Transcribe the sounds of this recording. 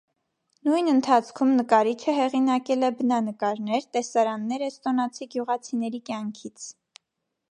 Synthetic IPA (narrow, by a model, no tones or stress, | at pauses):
nujnənt̪ʰɑt͡sʰkʰumnəkɑɾit͡ʃʰəɦɛʁinɑkɛlɛbənɑnəkɑɾnɛɾt̪ɛsɑɾɑnːɛɾɛst̪ɔnɑt͡sʰiɡjuʁɑt͡sʰinɛɾikjɑŋkʰit͡sʰ